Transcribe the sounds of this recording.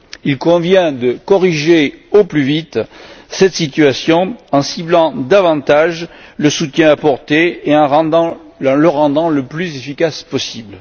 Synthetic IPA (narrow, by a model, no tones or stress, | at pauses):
ilkɔ̃vjɛ̃d̪əkɔʁiʒeoplyvit̪sɛt̪sit̪ɥasjɔ̃ɑ̃siblɑ̃d̪avɑ̃t̪aʒləsut̪jɛ̃apɔʁt̪eeɑ̃ʁɑ̃d̪ɑ̃ | ləʁɑ̃d̪ɑ̃ləplyzefikaspɔsibl